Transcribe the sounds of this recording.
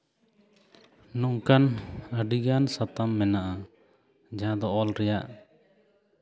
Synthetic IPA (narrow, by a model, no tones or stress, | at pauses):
nɔŋkanəɖiɡansat̪amːɛnaʔa | d͡ʒaãd̪ɔʔɔlɾɛjaʔ